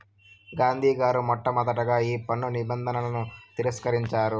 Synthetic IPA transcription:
ɡaːnd̪ʱiːɡaːɾumɔʈːɐmɐd̪ɐʈɐɡaːiːpɐɳːunibɐnd̪ʱɐnɐlɐnut̪iɾɐskɐɾiɲt͡ʃaːɾu

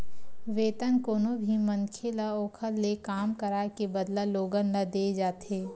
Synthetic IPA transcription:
ʋeːt̪ənkoːnobʱimɐ̃nkʰelaoːkʰəɾlekaːmkɐɾaːkebəd̪laloːɡənːɐd̪eːd͡ʒaːt̪eː

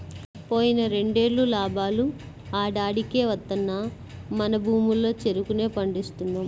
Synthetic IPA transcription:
po̞ːjinɐɾe̞ɳɖe̞ːɭːulaːbaːlu | aːɖaːɽike̞ːʋɐt̪ːɐnːɐ | mɐnɐbʱuːmulːo̞ːt͡ʃe̞ɾukune̞ːpɐɳɖist̪und̪ɐm

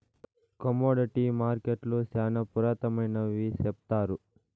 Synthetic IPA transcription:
kɐmoːɖiʈimaːɾkeʈlusaːnɐpuɾaːt̪ɐmɐjnɐʋiːsep̚t̪aːɾu

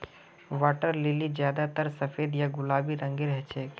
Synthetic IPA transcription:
ʋaːʈəɾleːlid͡ʒjaːd̪at̪əɾsɐfeːd̪jaɡʊlaːbiɾə̃ŋɡiɾɛɦɛt͡ʃʰɛː

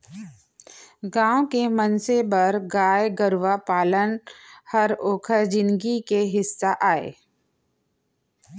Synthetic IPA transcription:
ɡãːwkemənsebəɾɡaːjɡəɾʋapaːlənhəɾoːkʰəd͡ʒɪ̃nɡikeɦɪsːaʔaːḛː

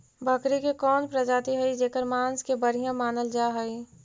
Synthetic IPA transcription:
bɐkɾikekɔːnpɾɐd͡ʒaːt̪iɦɛid͡ʒeːkəɾmaːnskebɐɾ̤ijãmaːnəld͡ʒaːɦəi

